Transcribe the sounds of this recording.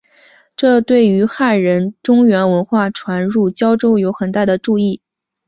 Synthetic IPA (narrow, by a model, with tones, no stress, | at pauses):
ʈ͡ʂɤ˥˧t̪we˥˩ɪy˧˥xa˥˩ɻə˧˥nʈ͡ʂʊ˥ŋɥɛ˧˥nwə˧˥nxwa˥˩ʈ͡ʂʰwa˧˥nɻu˥˩t͡ɕjɑ˥ʊʈ͡ʂo˥ʊjo˧˥ʊxə˨˩nt̪a˥˩d̪ə˩ʈ͡ʂu˥˧i˥˩